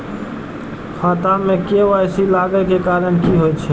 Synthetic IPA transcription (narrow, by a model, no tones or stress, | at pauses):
xat̪amːekeʋajsilaɡəkekaɾənkiɦojt̪t͡ʃʰɛ